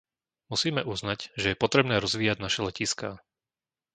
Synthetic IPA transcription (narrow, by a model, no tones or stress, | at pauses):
musiːmɛʔuznacʒɛjɛpɔt̪ɾɛbnɛːɾɔzʋiːjaɟnaʃɛlɛciskaː